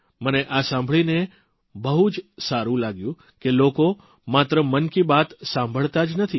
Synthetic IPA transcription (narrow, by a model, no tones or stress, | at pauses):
məneʔasãmbʱəɭine | bəɦud͡ʒsaɾũlaɡjũ | keloko | mat̪ɾəmənkibat̪sãmbʱəɭt̪ad͡ʒnət̪ʰi